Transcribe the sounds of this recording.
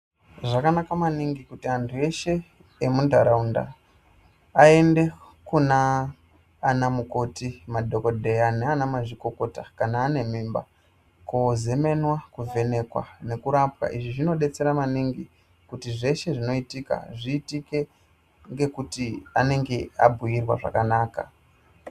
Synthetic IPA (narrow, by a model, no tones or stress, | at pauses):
ʐakanakamaniŋɡikutiantʰue̞ʃe̞ | emundʱaɾaunda̰ | ende̞ | kunaː | namuko̞timadʱo̞ko̞dʱe̞janeanamaʐiko̞ko̞takanaːne̞mimba̰ | koze̞me̞nwakuve̞ne̞kwa̰ne̞kuɾapwa̰ʔiʐiʐino̞ɗe̞t͡se̞ɾamaniŋɡi | kutiʐe̞ʃe̞ʐino̞itika̰ʐiːtike̞ | ŋɡe̞kutiane̞ŋɡe̞a̰bʱujirwa̰ʐa̰kanaːka̰